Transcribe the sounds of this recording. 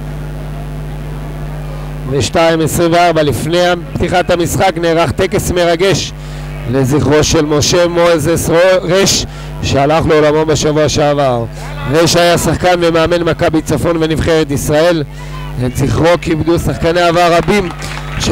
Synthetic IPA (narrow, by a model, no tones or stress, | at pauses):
veʃtaimesʁimveaʁbalifne̞japt̪iχat̪hamisχakneːʁaχt̪e̞kesme̞ʁaɡe̞ʃ | le̞ziχʁo̞ʃe̞lmo̞ʃe̞moezesoʁeʃ | ʃealaχleolamo̞mbeʃavuaʃeavaʁ | ʁeʃajasaχkanvemeame̞nmakabit͡safo̞nve̞nivχeʁet̪isʁae̞l | etziχʁo̞kibd̪usaχkaneavaʁabim | ʃ